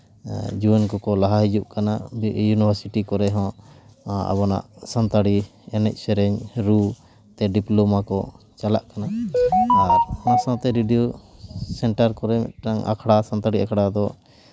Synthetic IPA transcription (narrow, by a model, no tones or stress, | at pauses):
d͡ʒuɛnkɔkɔlaɦaɦid͡ʒuʔkanabjunibʱaɾsiʈikɔɾɛɦɔ̃ | a̰βɔna̰ʔsant̪aɽiɛnɛc̚ˀsɛɾɛɲɾu | t̪ɛɖiplomakɔ | t͡ʃalaʔkana | aɾnasãt̪ɛɾiɖiosɛɳʈaɾkɔɾɛmɛ̰ʔʈnaŋa̰kʰɽasant̪aɽiakʰɽad̪ɔ